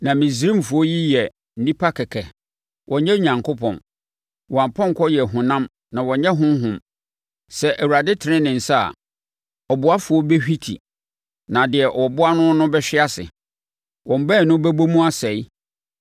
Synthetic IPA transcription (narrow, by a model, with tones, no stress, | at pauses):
nã˨mĩ˨s̬ɾĩ˦m˨fʊ˨ɔ˦ji˦jɛ˨ | n̩˦nĩ˦pʰa˦kʰɛ˨kʰɛ˨ | wʔɔ̃˨ɲɛ̃˦ɲã˨ŋko˦pʰɔ̰̃˨n | wɔ˨a˨m˨pʰɔ̃˦ŋ̩˨kʰɔ˦jɛ˨ɦʊ̃˨nã˦m | nã˨wɔ̃˨ɲɛ̃˦ɦʊ̃˦m˦ɦʊ̃˨m | sɛ˦ʔæ˨wu˨ɾa˨dɪ˦tʰɪ˨ɾɪ̃˦nɪ̃˨n̩˨sa̰˦˨ | ɔ˨bʊ˨a˦fʊ˨ɔ˦bɛ˦hᶣi˦tʰḭ˨ | nã˨dɪ˨ɛ˨ʔɔ˨bʊ˦a˦nʊ̃˦nʊ̃˦bɛ˦ɕᶣɪ˦a˦sɪ̰˨ | wʔɔ̃˨m˨bɛ˦˨nʊ̃˦bæ˦bo˦mũ˦a˦sɛ˨i˦